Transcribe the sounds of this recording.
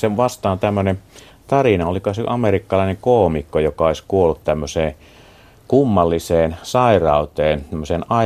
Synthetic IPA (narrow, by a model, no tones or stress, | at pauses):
seʋʋɑst̪ɑːnt̪æmːønen | t̪ɑrinɑolikoseʔɑmerikːɑlɑˑeneŋkoˑːmikːojokˑɑoˑeskuolːut̪t̪æmːøseː | kumːɑlːiseːnsɑˑirɑˑot̪eːnt̪æmːøseːnɑ